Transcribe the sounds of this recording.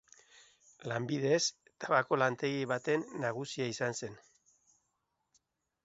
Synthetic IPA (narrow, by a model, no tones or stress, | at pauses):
lambiðe̞s | t̪aβako̞lant̪e̞ɣiβat̪e̞nːaɣusiaisanse̞n